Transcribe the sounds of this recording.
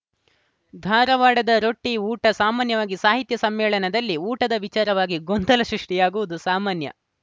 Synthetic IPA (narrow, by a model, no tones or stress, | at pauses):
d̪ʱaːɾɐʋaːɽɐd̪ɐɾoʈːiuːʈɐsaːmaːnjɐʋaːɡisaːɦit̪jɐsɐmːɛːɭɐnɐd̪ɐlːiuːʈɐd̪ɐʋit͡ʃaːɾɐʋaːɡiɡond̪ɐlɐsɾuʂʈijaːɡuʋud̪usaːmaːnjɐ̰